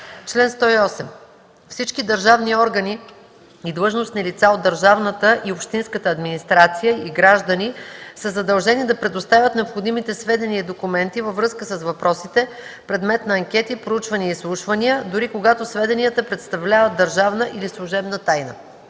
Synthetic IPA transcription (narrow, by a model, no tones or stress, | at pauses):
t͡ʃlɛnst̪ɔiɔsɛm | fsit͡ʃkid̪ɐɾʒavniɔɾɡəni | id̪lˠɤʒnoʊst̪nilit̪saod̪ːəɾʒavnət̪əʔiopʃt̪inskət̪əːd̪minist̪ɾat̪sijəiɡɾaʒd̪ənisəzɐd̪ɐlˠʒɛnid̪ɐpɾɛd̪ost̪avʲjət̪nɛopxod̪imit̪ɛsvɛd̪ɛniəd̪okumɛnt̪ivəvɾɤskəsəsvɐpɾɔsit̪ɛ | pɾɛd̪mɛt̪nɐːŋkʲɛt̪ipɾout͡ʃvɐniəislˠuʃvɐnijəd̪ʊɾikoɡat̪osvɛd̪ɛniət̪əpɾɛt̪st̪ɐvlʲavət̪ːəɾʒavnəʔilislˠuʒɛbnət̪ajnə̰